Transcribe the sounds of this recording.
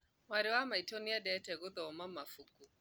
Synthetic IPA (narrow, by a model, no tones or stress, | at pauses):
maɾɪwamaitɔniadɛtɛɣʊðɔɔmamafuku